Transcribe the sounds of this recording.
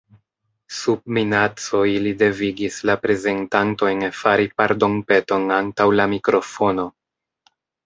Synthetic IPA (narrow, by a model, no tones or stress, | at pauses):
sub̚minat͡so̞ilide̞viɡislapɾe̞ze̞ntanto̞jnfaɾipaɾdo̞mpe̞to̞nantawlamikɾo̞fo̞no̞